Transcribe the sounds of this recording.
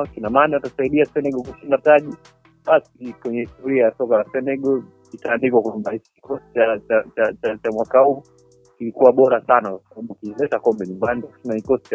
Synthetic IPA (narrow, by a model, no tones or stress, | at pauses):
kinamaːnaatasaiɗiasɛnɛɡɔkuʃindataʄi | ɓasikwɛɲɛtuɾiajasɔkalasɛnɛɡɔ | itaːndikwakwambahit͡ʃki̥kɔsti̥t͡ʃat͡ʃat͡ʃat͡ʃat͡ʃamwakahuː | kilikuwaɓɔɾasanakwasaɓaɓukilɛtakɔmbɛɲumbanitaku̥ʃinaikɔsti̥t͡ʃa